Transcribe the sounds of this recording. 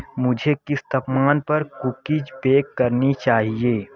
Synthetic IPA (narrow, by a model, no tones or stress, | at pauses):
mʊd͡ʒʱekɪst̪ʰɐpmaːnpɐɾkʊkɪd͡ʒbeːkːɐɾnit͡ʃaːɦieː